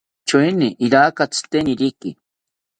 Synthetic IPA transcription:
t͡ʃuiniʔiɾakat͡si̥t̪eniɾiki

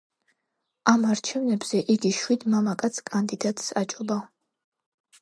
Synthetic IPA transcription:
amaɾt͡ʃʰɛvnɛbz̥ɛʔiɡiʃwid̪mamakʼat̪sʰkʼand̪id̪at̪ʼsat͡ʃʼɔba

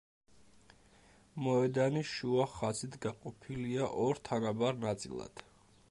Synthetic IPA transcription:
mɔɛd̪aniʃuaχasit̪ʰɡaqʼɔpʰiliaʔɔɾt̪ʰanabaɾnat̪sʼḭlˠa̰d̪̥

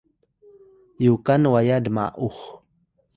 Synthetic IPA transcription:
jukanwajadəma̰ʔux

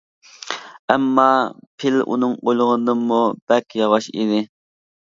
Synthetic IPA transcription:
ɛmːɑpʰɪlʔṵnɨŋojlˠʁənd̪ɨmub̥ɛkʲʰjɑʁɑʃḭd̪ɪ

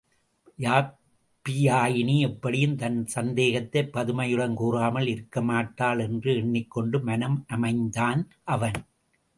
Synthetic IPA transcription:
jaː | pːɪjaːjɪniɛpːɐɽɪjɯmt̪ɐnsɐnd̪eːɣɐt̪ːɐɪpːɐðɯmɐjɯɽɐnkuːraːmɐlɪɾɯkːɐmaːʈːaːlɛndrɯɛɳːɪkːɔɳɖɯmɐnɐmʔɐmɐɪnd̪aːn | ʔɐʋɐn

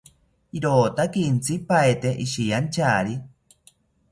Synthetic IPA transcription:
iɾoːt̪akint͡sʰipaet̪eʔiʃijant͡ʃaːɾi

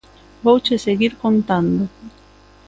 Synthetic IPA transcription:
bowt͡ʃeseɣiɾkont̪and̪o

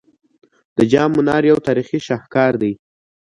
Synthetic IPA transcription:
d̪̥əd͡ʒɑmːʊnɑɾjawt̪ɑɾixiʃɑhkɑɾd̪aj

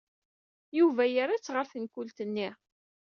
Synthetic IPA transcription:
juvæjaɾat͡sːʁəɾθənkʊlt̪ənːi

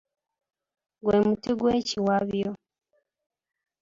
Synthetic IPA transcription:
ɡwemutiɡweːciwaβjo

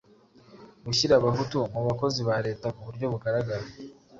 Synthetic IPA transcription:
ɡuçiɾaβaɦutumuβako̞ziβaɾe̞ːtakuβuɾɟo̞βuɡaɾaɡaɾe

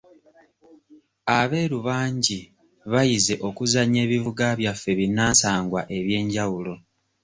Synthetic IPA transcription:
aβe̞ːɾuβaːɲɟi | βajize̞ʔo̞kuzaɲe̞ːβivuɡaβjafːe̞βinːaːnsaːŋɡwaʔe̞βje̞ːɲɟawulo̞

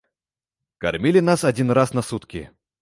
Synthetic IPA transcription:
kɐ̰rmʲilʲɪnasɐdʲinrasnɐsut̪kʲɪ

